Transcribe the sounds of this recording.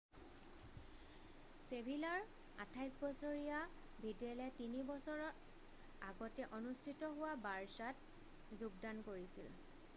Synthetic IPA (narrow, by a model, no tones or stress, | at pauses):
sebʱilaɹ | a̰tʰajsbɔsoɹija | bʱidɛlɛtinibɔsɔɹɔ | aɡɔtɛʔonustʰitɔɦʊwabaɹsat | zuɡdankoɹisḭl